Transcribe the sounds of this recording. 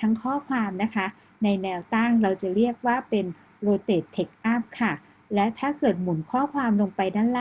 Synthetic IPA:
t̪ʰa˦˥ŋkʰɔː˥˩kʰwaː˧mna˦˥kʰa˦˥ | na˧jnɛː˧wt̪a˥˩ŋɾa˧wt͡ɕa˨˩ɾi˥˩ək̚waː˥˩pe˧n | ɾoː˧t̪eː˨˩t̪ʰːe˦˥k̚ʔa˥˩p̚kʰa˥˩ | lɛ˦˥t̪ʰaː˥˩kɤː˨˩t̪̚mu˩˦nkʰɔː˥˩kʰwaː˧mlo˧ŋpa˧jdaː˥˩la˥

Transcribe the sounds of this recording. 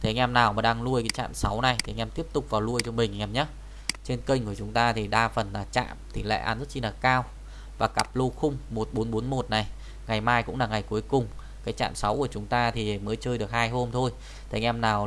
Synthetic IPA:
t̪ʰe˨˦ʔɛ˧mnaː˨˩wmaː˨˩ɗaː˧ŋlu˧əjkaː˨˦jt͡ɕa̰ː˧˨nsa˨˦wna˨˩jt̪ʰi˨˧˦ŋʔɛ˧mt̪i˦˥əp̚t̪ʊ˨˩k͡p̚vaː˨˩wlu˧əjt͡ɕɔ˧mï˨˩ŋ̟˨ɛ˧˩mɲaː˨˦ | t͡ɕe˧nkə˧ŋ̟ku˧˩ət͡ɕʊ˨˦ŋ͡mt̪aː˧t̪ʰi˨˩ɗaː˧fə˨˩nlaː˨˩t͡ɕa̰ː˧˨mt̪ʰi˨˩la̰˧˨ʔa̰ː˧˩nzt̚t͡ɕi˧laː˨˩kaː˧w | vaː˨˩ka˨˩p̚lo˧xʊ˧ŋ͡mmo˨˩t̚ɓo˨˦nɓo˨˦nmo˨˩t̚na˨˩j | ŋa˨˩jmaː˧jkʊ̰˧˥ŋ͡mlaː˨˩ŋa˨˩jku˨˦əjkʊ˨˩ŋ͡m | kaː˨˦jt͡ɕa̰ː˧˨nsa˨˦wku˧˩ət͡ɕʊ˨˦ŋ͡mt̪aː˧t̪ʰi˨˩məː˨˦jt͡ɕəː˧jɗɨ˨˩ək̚haː˧jɦo˧mt̪ʰo˧j | t̪ʰe˨˦ŋʔɛ˧mnaː˨˩w

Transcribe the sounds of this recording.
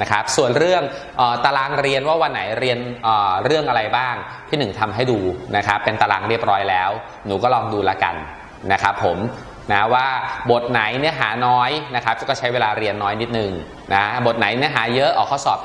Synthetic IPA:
na˦˥kʰa˦˥p̚su˨˩ənɾɯ˥˩əŋ | ʔəː˨˩t̪a˧laː˧ŋɾi˧ənwaː˥˩wa˧nːa˩˦jɾi˧ənʔəː˨˩ɾɯ˥˩əŋʔa˧ɾa˧jbaː˥˩ŋ | t̪ʰiː˥˩nɯ˨˩ŋt̪ʰa˧mɦa˥˩jduː˧na˦˥kʰa˦˥pːe˧nt̪a˧laː˧ŋɾi˥˩əp̚ɾɔː˦˥jlɛː˦˥w | nuː˨˩kɔː˥˩lɔː˧ŋduː˧la˧ka̰˧n | na˦˥kʰa˦˥pʰːo˩˦m | na˦˥waː˥˩bo˨˩t̪̚na˩˦jni˦˥əɦa̰ː˩˦nɔː˦˥jna˦˥kʰa˦˥p̚kɔː˥˩t͡ɕʰa˦˥jweː˧laː˧ɾi˧ənːɔː˦˥jni˦˥t̪̚nɯ˨˩ŋ | na˦˥bo˨˩t̪̚na˩˦jni˦˥əɦaː˩˦jɤ˦˥ʔɔː˨˩kʰːa˥˩wsɔ̰ː˨˩p̚

